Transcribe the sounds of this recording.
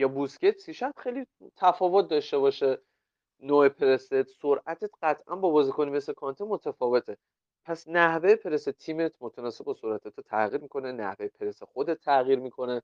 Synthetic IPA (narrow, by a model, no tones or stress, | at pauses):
jɒːbuscet̪siʃæt̪xejli | t̪ʰæfɒːvot̪̚ʰd̪ɒʃt̪e̞βɒːʃe | noːepʰeɾeset̪soɾʔæt̪ʰet̪ɢæt̪ʰʔæ̰nbɒbɒːzikonimesekʰɒnt̪ʰemot̪ʰæfɒːve̞t̪ʰe | pʰæsnæhvejepʰe̞ɾeset̪ʰiːmet̪ʰmot̪ʰænɒːse̞b̚bɒsoɾæt̪ʰet̪ʰut̪ʰæɣiːɾmiko̞nenæ̰hvejepʰeɾesexod̪et̪ʰːæɣiːɾmikʰo̞ne